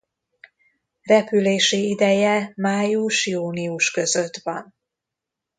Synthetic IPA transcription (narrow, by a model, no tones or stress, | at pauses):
rɛpyleːʃiid̪ɛjɛmaːjuʃjuːniuʃkø̞zøt̪ʋɒn